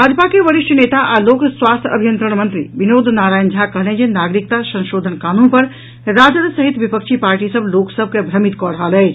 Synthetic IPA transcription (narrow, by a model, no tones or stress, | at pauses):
bʱaːd͡ʒpakeʋəɾiʃʈʰəneːt̪aʔaloksʋaːst̪ʰjəbʱijənt̪ɾəɽ̃mənt̪ɾḭbinoːd̪ʱnaːɾaːjnd͡ʒʱakəɦled͡ʒenaɡɾik̚t̪asə̃nʃoːd̪ʱənkaːnunpəɾ | ɾad͡ʒəd̪səɦit̪ʋipəkt͡ʃʰipaːɾʈisəbloːksəb̚ʱkebʱɾəmit̪kɔɽəɦalɛː